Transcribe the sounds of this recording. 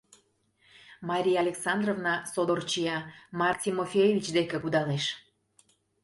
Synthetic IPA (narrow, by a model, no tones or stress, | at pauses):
mɑɾʲijɑlʲeksɑnd̪rovnɑsod̪ort͡ɕijɑmɑrt̪ʲimofʲejevʲit͡ɕd̪ekĕkud̪ɑleʃ